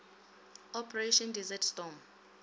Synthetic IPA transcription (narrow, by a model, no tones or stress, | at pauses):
ɔpʰɛreʃɔndizɛtstɔm